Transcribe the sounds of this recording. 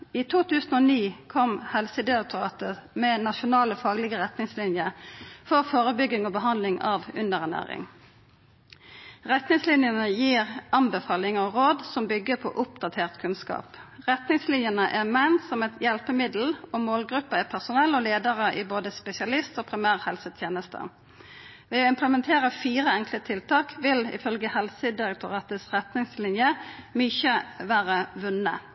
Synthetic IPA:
iːt̪ʰuːt̪ʰʉːsn̩oːniːkʰɔmhɛlsəd̪ɪɑk̚t̪ʊʁɑ̰ːt̪əmɛnɑʃʊnɑːləfɑːɡlɪɡəʁɛt̪nɪŋslɪnjəfɔʁfoːʁəbʏɡːɪŋoːbəɦɑnd̪lɪŋɑ̰ːʋʉnd̪əʁænæ̰ːʁɪ̰ŋ | ʁɛt̪nɪŋslɪnjənəjiːʁɑnbəfɑːlɪŋəɔʁoːd̪sɔmbʏɡːəpʰɔ̰ʔʊpd̪ɑt̪ʰeːʁt̪kʰʉnskɑ̰ːpʁɛt̪nɪŋslɪnjənəʔæʁmɛnsɔmɛt̪ʰjɛlpəmɪd̪l̩ɔmoːlɡɾʁʉpːəæpʰæʁsʊnɛlːoleːd̪əʁəʔɪboːd̪əspɛsɪɑlɪst̪oːpʰʁɪmæːʁhɛlsət̪ʰjeːnəst̪ʰə̰ | ʋɛːoɪmpləmɛnt̪ʰeːʁəfiːʁəɛŋklət̪ʰɪlt̪ʰɑːkʋɪlɪ̰fœlɡəhɛlsəd̪ɪʁɛk̚t̪ʰʊʁɑːt̪əsʁɛt̪nɪŋslɪnjəmyːçəʋæːʁəʋʉnːə̰

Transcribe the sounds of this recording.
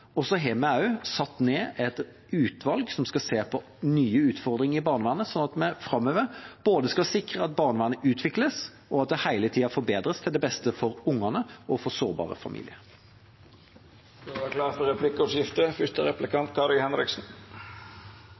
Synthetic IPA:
ɔsɔɦemɛɑʉsɑt̪ːneːʔɛt̪ | ʉːt̪ʰʋɑlɡsɔmskɑseːpʰɔ | nyːəʉːt̪fɔʁd̪ɾʁɪŋəɪbɑːʁnəʋæːnəsɔnɑt̪mɛfɾɑmøːʋəɾb̥oːd̪əskɑsɪkʁəɑt̪̚bɑːʁnəʋæːnəʉːt̪ʰʋɪkləs | ʔɔɑt̪̚d̪ɛhæɪlət̪ʰiːɑfɔbeːd̪ʁəst̪ʰɪld̪ɛbɛst̪əfɔɾʊŋːɑnəɔfɔsoːʁbɑ̰ːʁə̰fɑ̰mʔḭːlɪəɾ | ɑkʰlɑːʁfɔɾɛpʰlɪkəɔʂjɪft̪əfʏʂt̪əɾɛplɪkʰɑnt̪kʰɑɾɪhɛnɾɪksn̩

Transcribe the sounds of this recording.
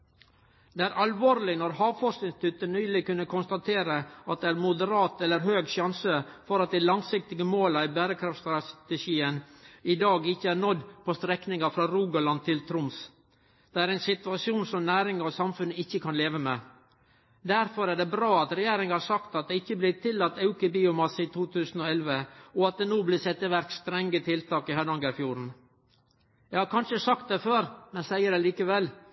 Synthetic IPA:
d̪ɛæːɾʔɑlʋoːɾlɪnɔɾhɑːʋfɔʂknɪŋst̪ʰʏt̪ːənyːlɪkʉnːəkʰʊnst̪ɑt̪ʰeːɾəɑt̪̚d̪ɛæːɾmʊd̪əɾɑːt̪ɛlːəɾɦøːɡʃjɑnsəfɔɾɑt̪̚d̪ɛlɑŋsɪk̚t̪ɪɡəmoːlɑɪbæːɾəkʰɾɑft̪st̪ɾɑt̪əʃiːənɪd̪ɑːɡɪçːəæɾɳɔd̪pʰɔːst̪ɾɛknɪŋɑfɾɑːɾuːɡɑlɑn̚t̪ʰɪlt̪ʰɾʊms | d̪̥ɛæɾæɪnsɪt̪ʉɑsjuːnsɔmnæːɾɪŋəɾɔsɑmfʉnəɪçːəkʰɑnleːʋəmeː | d̪æɾfɔɾæɖɛbɾɑːɑt̪ɾɛjeːɾɪŋhɑɾsɑkt̪ɑt̪̚d̪ɛɪçːəblɪt̪ʰɪlːɑt̪ːɑʉkəbiːʊmɑsːiːt̪ʰuːt̪ʰʉːsn̩ɔɛlʋəɔɑt̪̚d̪ɛnoːblɪsɛt̪ːəʋæɾkst̪ɾɛŋːət̪ʰɪlt̪ɑːkɪhɑd̪ɑŋɡəfjuːɾn̩ | jɛɪhɑɾkʰɑnʂəsɑkt̪̚d̪ɛføːɾmɛnsæɪəɾɛliːkəʋɛlː

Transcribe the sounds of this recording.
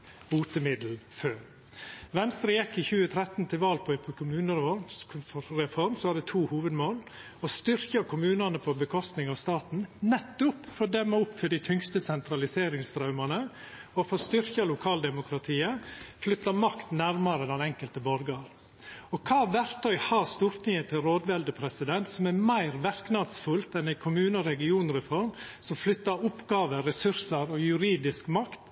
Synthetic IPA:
uːt̪əmɪd̪l̩føːɾ | ʋɛnst̪ɾəjɛkːɪçʉːət̪ʰɾɛt̪n̩t̪ʰɪlʋɑːlpʰɔpʰkʰʊmʉːnəɾ | ɾɛfɔɾmsɔʋɑd̪ɛt̪ʰuːhuːʋəd̪moːl | ɔst̪ʏɾçɑkʰʊmʉːnɑnəpʰɔbəkʰɔst̪nɪŋɑʋst̪ɑːt̪n̩nɛt̪ːʊpfɔd̪ɛmːəʊpfœɖ̪ɪt̪ʰʏŋst̪əsɛnt̪ɾɑlɪseːɾɪŋst̪ɾɑʉmɑnə | ɔfɔst̪ʏɾçɑlʊkʰɑːld̪ɛmʊkɾɑt̪ʰiːəflʏt̪ːɑmɑkt̪næɾmɑɾəd̪ɛnɛŋkəlt̪əbɔɾɡɑɾ | ɔkʰɑːʋæɾt̪ʰœʏhɑɾst̪uːɾt̪ɪŋət̪ʰɪlɾoːd̪ʋɛld̪əpʰɾɛsɪd̪ɛnt̪sɔmæmæɪɾʋæɾknɑd̪sfʉlt̪ɛnæɪkʰʊmʉːnəɔɾɛɡɪuːnɾɛfɔɾmsɔmflʏt̪ːəɾʊpɡɑːʋəɾɛsʉɾsəɾɔjʉɾiːd̪ɪskmɑkt̪

